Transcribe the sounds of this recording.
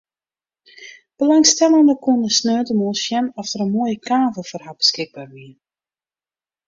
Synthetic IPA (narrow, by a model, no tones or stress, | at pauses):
b̥əlɑŋstɛlˠəndəkundəsnøːtəmolˠsjɛnɔfdəɾənmoəjəkaːvəlˠfərɦabəskɪɡ̚baːrʋiən